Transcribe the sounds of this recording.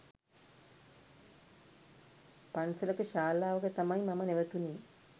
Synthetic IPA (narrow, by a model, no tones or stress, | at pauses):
pansələkəʃaːlaːʋəkət̪amajmaməneʋət̪uneː